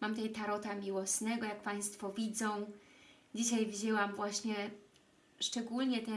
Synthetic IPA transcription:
mamt̪ɛjt̪aɾɔt̪amʲiwɔsnɛɡɔjak̚paj̃st̪fɔvʲid̪zɔ̃w̃ | d͡ʑiɕajvʲid͡ʑɛwamvwaɕɲɛ | ʂt͡ʂɛɡulɲɛt̪ɛ

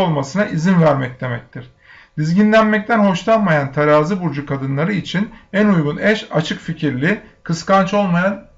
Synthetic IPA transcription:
olˠmasɯnaʔizinvæɾmɛc̚d̪e̞mɛc̚t̪ʰiɾ̥ | d̪izɟinlʲænmɛc̚t̪ʰænɦho̞ʃt̪ˠanmajant̪ʰaɾaːzɯbuɾd͡ʒukʰad̪ɯnlˠaɾɯit͡ʃʰinænujɡunɛʃat͡ʃʰɯkficʰiɾlʲikʰɯskant͡ʃo̞lˠmajan

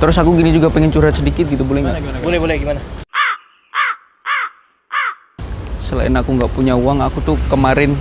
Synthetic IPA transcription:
t̪əɾʊsakuɡinid͡ʒuɡapɛŋɛnt͡ʃuɾat̪̚sədikɪt̪̚ɡit̪ubolɛhŋɡabolɛbolɛhɡimana | səla̰ɪnakuŋɡaʔpuɲauaŋakut̪ʊhkəmaɾɪn

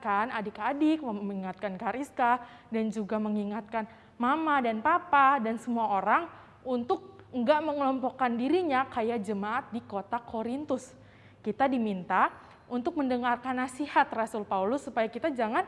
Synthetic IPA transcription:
kanadikadɪk̚məmmiŋat̪̚kankaɾiska | dand͡ʒuɡaməŋiŋat̪̚kan | mamadanpapadansəmuaoɾaŋ | unt̪ʊk̚ŋɡaʔməŋəlɔmpɔkːandiɾiɲakajad͡ʒəmaʔːt̪̚dikot̪akʰoɾint̪ʊs | kit̪adimint̪a | unt̪ʊk̚məndəŋarkanːasihat̪rasʊlpaulʊsːupajakit̪ad͡ʒaŋan

